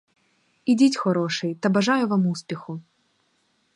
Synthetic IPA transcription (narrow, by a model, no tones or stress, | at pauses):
idʲitʲxɔɾɔʂɨjt̪ɐbɐʐajʊvamuspʲɪxʊ